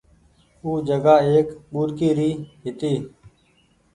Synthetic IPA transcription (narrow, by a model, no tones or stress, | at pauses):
uːd͡ʒəɡaːeːkɓuːɾkiːɾiːɦɪt̪iː